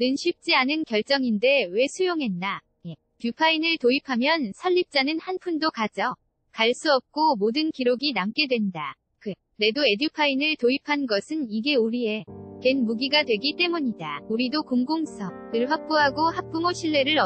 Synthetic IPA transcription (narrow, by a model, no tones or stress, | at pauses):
nɯnɕʰip̚t͡ɕ͈ianɯnkjʌɭt͡ɕ͈ʌŋinde̞we̞sʰujoŋɦe̞nːa | je | pjupʰainɯɭtoipʰamjʌnsʰʌʎːip̚t͡ɕ͈anɯnhanpʰundokad͡ʑʌ | kaɭs͈uʌp̚k͈omodɯnkiɾoɡinamk͈e̞dwe̞nda | kɯ | ne̞doe̞dupʰainɯɭtoipʰanɡʌsʰɯniɡe̞uɾie̞ke̞nmuɡiɡadwe̞ɡit͈e̞muɲidauɾidokoŋɡoŋsʰʌɯɭɦak̚p͈oɦaɡohak̚p͈umoɕʰiɭːe̞ɾɯɾʌ